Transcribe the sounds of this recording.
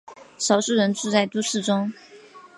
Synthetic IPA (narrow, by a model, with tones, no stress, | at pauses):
ʂɑ˨˩ʊʂɻ̩˥˩ɻə˧˥nʈ͡ʂu˥˧t͡sa˥˩ɪt̪u˥˧ʂɻ̩˥˩ʈ͡ʂʊ˥ŋ